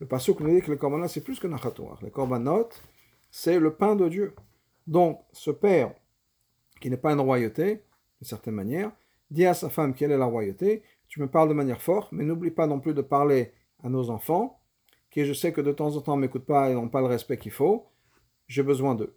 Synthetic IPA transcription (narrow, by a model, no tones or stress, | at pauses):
ləpaʁsokɔ̃nud̪ikəlekɔʁbanɔt̪sɛplyskənaʁat̪wa̰ːʁlḛkɔʁbanɔt̪ | sɛləpɛ̃d̪əd̪jø | d̪ɔ̃k | səpɛʁ | kʲinɛpaynʁwajot̪e | d̪̥ynsɛʁt̪ɛnmanjɛʁ | d̪iasafamkʲɛlɛlaʁwajot̪e | t̪yməpaʁld̪əmanjɛʁfɔʁt̪mɛnublipanɔ̃plyd̪əpaʁle | anozɑ̃fɑ̃ | kʲiʒəsɛkəd̪ət̪ɑ̃zɑ̃t̪ɑ̃mekut̪̚paenɔ̃paləʁɛspɛkʲilfo | ʒebəzwɛ̃d̪ə̰